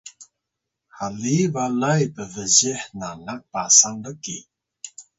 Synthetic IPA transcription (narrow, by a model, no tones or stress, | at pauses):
halivalajbəvəzɛħnanak̚pasandəki